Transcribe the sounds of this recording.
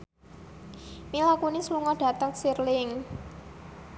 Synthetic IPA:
milakunisluŋɔɖ̥ä̤t̪əŋsirlɪŋ

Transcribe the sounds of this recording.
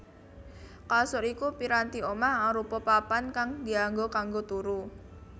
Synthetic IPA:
kasʊɾikupiɾant̪iomaaɾupɔpapankaŋdiaŋɡokaŋɡot̪uɾu

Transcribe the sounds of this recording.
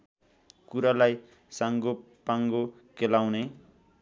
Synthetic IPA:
kuɾalaj | saŋɡo | paŋɡo | kelawne

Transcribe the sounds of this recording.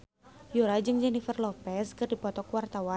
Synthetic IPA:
juɾad͡ʒɨŋd͡ʒɛnifɛrlɔpɛskɨrdipɔt̪ɔkwart̪awan

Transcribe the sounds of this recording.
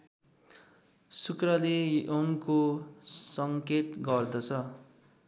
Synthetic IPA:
sukrʌlejʔoŋkosʌŋket̪ɡʌrd̪ʌt͡sʰʌ

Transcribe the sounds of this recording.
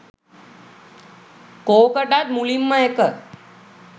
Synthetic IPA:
kokəɖad̪mulimːãekə

